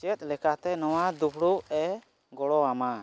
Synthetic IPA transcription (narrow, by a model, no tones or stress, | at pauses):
t͡ʃɛt̪̚ˀlɛkat̪ɛnɔwad̪upʰɽuʔɛ | ɡɔɽɔama